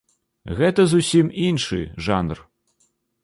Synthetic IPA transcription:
ɣɛt̪ɐzusʲiminʂɨ̰ʐanr

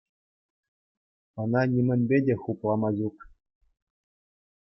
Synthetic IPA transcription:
ɤ̆nɑnʲimʲɘ̆nʲbʲedʲexuplˠɑmɑʑuk

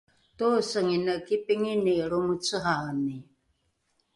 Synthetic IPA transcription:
tosəŋinəkipiŋiniɾumut͡səɦani

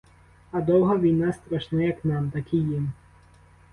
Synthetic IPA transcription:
ɐd̪ɔwɦɐʋʲijnast̪ɾɐʃnajɐknɑmt̪ɐkʲɪjɪm

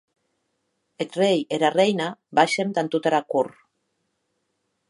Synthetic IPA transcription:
et̪rejeɾarejnabaʃemd̪ant̪ut̪aɾakur

